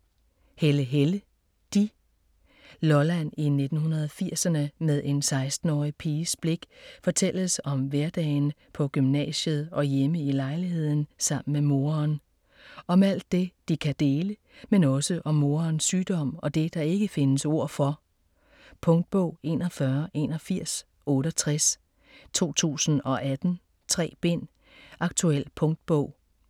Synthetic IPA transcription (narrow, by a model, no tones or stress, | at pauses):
heləɦelə | d̥i | lɒlæn̰ine̝d̥n̩hunɐð̞ˠɒfiɐ̰sɐnəmeð̞ˠe̝nsɑ̈ɪsd̥n̩ɒːipʰeːsb̥le̝ɡ̥fɒ̽t͡sʰel̰əsɒ̽mʋæɐd̥ɛ̰ːɪnpʰɒ̽ɡ̥ymnɛ̰ːɕəð̩ˠɒ̽jeməilɑ̈ɪliɦe̝ð̞̰ˠn̩sɑ̈m̰n̩memo̝ːɐn | ʔɒ̽mæl̰d̥̚ːe̝d̥ikʰæd̥e̝ːlə | menɒ̽səʔɒ̽mːo̝ːɐnsːyːd̥ɒ̽m̰ɒ̽d̥e̝d̥ɑ̈e̝ɡ̥əfe̝nəso̝ɐ̰fɒ̽ | pʰɔ̽ŋd̥̚b̥ɔʊ̰e̝̰ːnɒfɶɐʔe̝̰nɒfiɐ̰s | ɔ̽ːɾɒt͡sʰʁas | t͡sʰo̝̰ːt͡sʰṵːsn̩ɒ̽ʔæd̥n̩ | t͡sʰʁɛ̰ːb̥e̝n̰ | ɑ̈ɡ̥̚t͡sʰuel̰pʰɔ̽ŋd̥̚b̥ɔʊ̰